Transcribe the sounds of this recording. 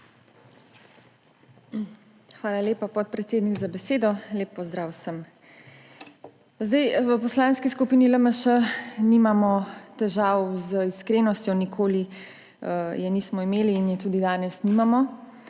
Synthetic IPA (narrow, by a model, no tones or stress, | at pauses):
xʋaːlaleːpapɔt̪̚pɾɛt̪seːd̪niɡzabɛseːd̪ɔleːpːɔzd̪ɾaːwsəm | zd̪ajʋəpɔslaːnskiskupiːniləməʃənimamɔt̪ɛʒaːwzəiskɾeːnɔst̪jɔnikʰoːli | əjɛniːsmɔimeːliːnjɛt̪uːd̪id̪aːnɛsnimamɔ